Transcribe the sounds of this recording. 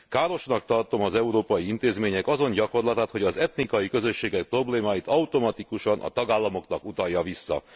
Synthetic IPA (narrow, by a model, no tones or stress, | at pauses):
kaːɾo̞ʃnɒk̚t̪ɒrt̪o̞mɒzɛuɾoːpɒjiint̪eːzmeːɲɛkɒzo̞ɲɟɒko̞rlɒt̪aːt̪ho̞ɟɒzɛt̪nikɒjikø̞zø̞ʃːeːɡɛk̚pro̞bleːmaːjit̪ɒut̪o̞mɒt̪ikuʃɒnʔɒ̰t̪ɒɡaːlːɒmo̞knɒkut̪ɒjːɒvisːɒ̰